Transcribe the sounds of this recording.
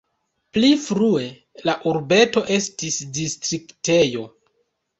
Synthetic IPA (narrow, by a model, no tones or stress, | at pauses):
plifɾue̞ | laʔuɾbe̞to̞ʔe̞stisdistɾikte̞jo̞